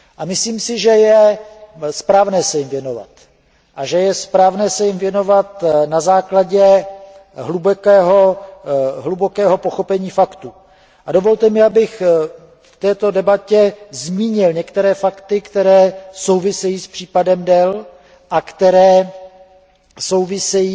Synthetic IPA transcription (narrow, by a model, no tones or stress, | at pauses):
ʔamɪsliːmsɪʒɛjɛ | spɾaːvnɛːsɛjɪmvjɛno̞va̰t̪ | ʔaʒɛjɛspɾaːvnɛːsɛjɪmvjɛno̞vat̪nazaːklaɟɛ | ɦlubɛkɛːɦo̞ | ɦlubo̞kɛːɦo̞po̞xo̞pɛɲiːfakt̪u | ʔadovo̞lt̪ɛmɪabɪx | ft̪ɛːt̪o̞dɛbacɛzmiːɲɪlɲɛkt̪ɛɾɛːfakt̪ɪkt̪ɛɾɛːso̞wvɪsɛjiːspr̥iːpadɛmdɛl | ʔakt̪ɛɾɛː | so̞wvɪsɛjiː